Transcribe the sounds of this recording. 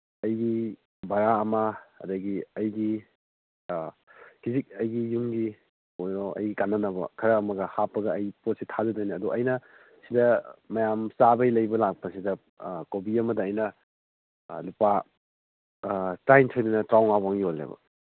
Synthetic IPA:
ɐjɡi | baɾaɐmɐɐ̰dɐɡiɐjɡi | kizik̚ɐjɡijumɡi | ojɾɔʔɐ̰jɡikanːɐnɐbɐ̰kʰɐɾɐːmɐɡɐhapːɐɡɐɐjpot̚sitʰazɐdojnɐɐduʔɐjnɐ | sidɐmɐjamsabɐjlɐjbɐlak̚pɐsidɐ | kobiɐmɐdɐːjnɐ | lupa | tɾajntʰojdunɐtɾawŋabaŋiolːḛbɐ̰

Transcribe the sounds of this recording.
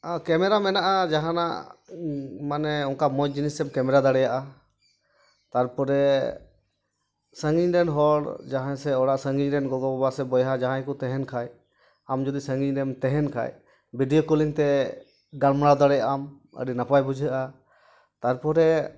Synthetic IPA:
kɛmɛɾamɛnaʔad͡ʒaɦana̰ʔ | manɛɔŋkamɔjd͡ʒinisɛmkɛmɛɾad̪aɽɛjaʔa | t̪aɾpɔɾɛ | səŋɡiɲɖɛnɦɔɽd͡ʒaɦajsɛɔɽaʔsəŋɡiɲɾɛnɡɔɡɔbabasɛbɔjɦad͡ʒaɦãjkɔt̪ɛɦɛnkʰaj | amd͡ʒɔd̪isəŋɡiɲdɛmt̪ɛɦɛnkʰa̰j | biɖijɔkuliŋt̪ɛ | ɡalmaɽad̪aɽɛjaʔam | ə̰ɖinapajbud͡ʒʱəʔa | t̪aɾpɔɾɛ

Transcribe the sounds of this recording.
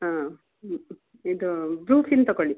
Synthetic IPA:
a | id̪ubɾuːfint̪ɐkoɭi

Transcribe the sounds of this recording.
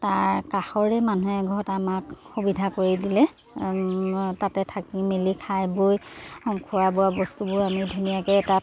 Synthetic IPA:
taɹkaxɔɹɛmanuɦɛɡʱɔtamakxubidʱakoɹidilɛ | tatɛtʰakimelikʰajbojxɔŋkʰʊwabʊabɔstubʊɹamidʱunijakɛːta

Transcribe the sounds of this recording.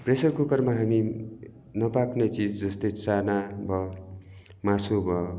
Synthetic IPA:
presʌrkokʌrmaɦami | nʌpaknet͡sid͡zd͡zʌst̪ʌjt͡sanabʌ | masobʌ

